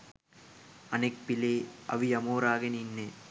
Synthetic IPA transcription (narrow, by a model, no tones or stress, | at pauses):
ɐnek̚pileːɐʋijɐmoːɾaːɣɐninːe